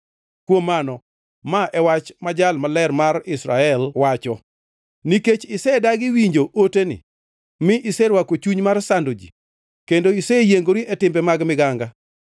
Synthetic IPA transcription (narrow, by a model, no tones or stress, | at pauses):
kwomːanɔ | maʔɛwat͡ʃmad͡ʒalmalɛrmarɪsɾaɛlwat͡ʃɔ | niket͡ʃɪsɛdaɡɪwiɲd͡ʒoʔotenɪ̰ | mɪʔɪsɛɾwakot͡ʃuɲmarsandod͡ʒḭ | kendoisɛjeŋɡoɾiʔɛtɪmbɛmaɡmɪɡaŋɡa